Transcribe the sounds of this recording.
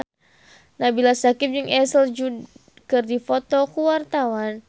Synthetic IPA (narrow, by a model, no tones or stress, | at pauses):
nahbilasakɪp̚d͡ʒɨŋɛsəld͡ʒud | kɨrdifot̪ɔkuwart̪awan